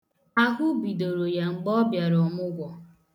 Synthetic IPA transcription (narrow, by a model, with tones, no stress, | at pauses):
a˦ɦʷʊ˦bi˨do˨ɾo˨ja˨ŋ͡m̩˨ɡ͡bɔ˦bja˨ɾɔ˨mʊ˦ɡʷɔ˨